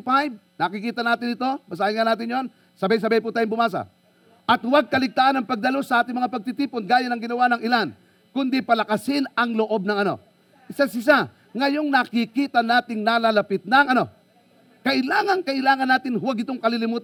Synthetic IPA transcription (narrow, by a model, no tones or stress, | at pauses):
pajb̚nakɪkiːt̪ɐnaːt̪ɪnɪt̪o̞bɐs̬aɪŋanaːt̪ɪnjo̞n | sɐbajs̬ɐbajput̪aːjŋbʊmaːs̬a̰ | ʔɐt̪waɡ̚kɐlɪɡ̚t̪aːʔanɐŋpɐɡ̚d̪ɐlosɐʔaːt̪ɪŋmɐŋapɐɡ̚t̪ɪt̪iːponɡaːjanɐŋɡɪnɐwanɐŋɪlan | kʊnd̪ɪpɐlɐkɐsɪnɐŋloʔo̞b̚nɐŋɐno̞̰ | ʔɪsasɪs̬a | ŋɐjo̞ŋnakɪkiːt̪anaːt̪ɪŋnaːlalɐpɪt̪̚nɐŋɐno̞ | kɐʔɪlaːŋɐnkɐʔɪlaːŋɐnːaːt̪ɪnhwaɡʔɪt̪oŋkɐlilɪmuːt̪